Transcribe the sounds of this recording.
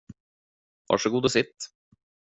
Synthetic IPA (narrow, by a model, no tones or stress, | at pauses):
vɑ̰ːʂəɡuːd̪ɔsɪt̪ː